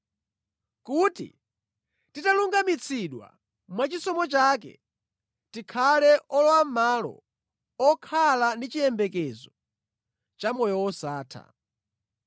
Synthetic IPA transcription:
kutḭ | titaluŋɡamit͡sʰiɗwa̰ | mwat͡ʃisɔmɔt͡ʃaːkɛ̰ | tikʰalɛʔɔlɔwamalɔ̰ | ɔkʰalandit͡ʃijɛmbɛkɛzɔ | t͡ʃamɔjɔwɔsaːtʰa̰

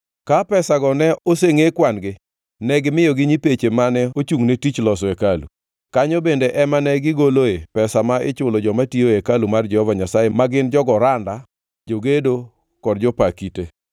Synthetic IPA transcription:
kapɛsaɡɔnɛoseŋekwanɡɪ | nɛɡɪmɪjoɡɪɲipet͡ʃemanɛot͡ʃuŋnetit͡ʃlɔsɔekalṵ | kaɲobendeʔɛmanɛɡɪɡoloepɛsamaɪt͡ʃʊlɔd͡ʒɔmatioekalumard͡ʒɛhɔvaɲasajemaɡɪnd͡ʒɔɡɔɾanda | d͡ʒoɡedo | kɔdd͡ʒɔpakite

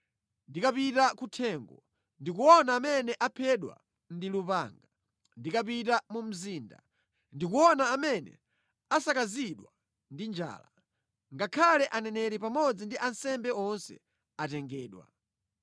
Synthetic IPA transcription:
ndikapitakutʰɛːŋɡɔ | ndik̬uwɔnaːmɛnɛʔapʰɛɗwa̰ | ndilupaːŋɡa | ndikapitamum̩ziːnda̰ | ndikuwɔnaːmɛnɛ̰ | asakaziɗwa | ndind͡ʒa̰ːla | ŋɡakʰalɛʔanɛnɛɾipamɔd͡zindiʔansɛmbɛɔnsɛ̰ | atɛŋɡɛːɗwa̰

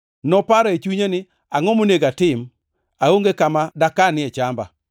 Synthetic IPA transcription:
nɔpaɾɔet͡ʃuɲenɪ | aŋɔmoneɡatɪm | aoŋɡekamadakanɪɛt͡ʃamba̰

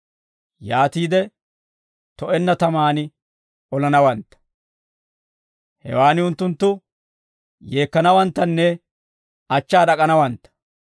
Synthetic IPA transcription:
jaːt̪iːd̪ɛ | t̪ɔʔɛnːɐt̪ɐmaːnɪ | ɔlɐnɐwɐnt̪ːɐ̥ | hɛ̰waːnɪʊnt̪ːʊnt̪ːʊ | je̞ːkːɐnɐwɐnt̪ːɐnːɛ | ɐt͡ʃːaːd̪ɐkʼɐnɐwɐnt̪ːɐ̥

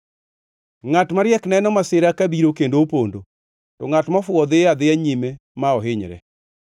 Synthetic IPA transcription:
ŋatmaɾjɛknɛnɔmasɪɾakabiɾokendoopondo | tɔŋatmafwɔd̪ɪad̪ɪaɲime | maɔɦɪɲɾɛ̰

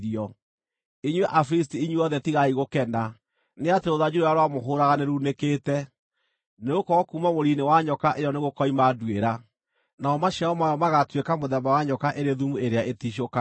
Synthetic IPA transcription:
iɔ | iɲweʔafɾis̬tiiɲwɔðɛtiɣaiɣokɛnda | neateɾoðad͡ʑuɾojaɾowamoɦoɾaɣaneɾunekeːtɛ | neokɔkumamoɾinewaɲɔkaʔejɔneɣokɔimadweɾa | naɔmaʃaɔmajɔmaɣatwekamoðɛmawaɲɔkaʔeɾeðumueɾeaʔetiʃ̬oka

